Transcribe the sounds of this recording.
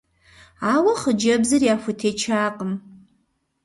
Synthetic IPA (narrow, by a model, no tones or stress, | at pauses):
awaχəd͡ʒabzɨrjaxʷʊtʰet͡ʃʰaːqʼəm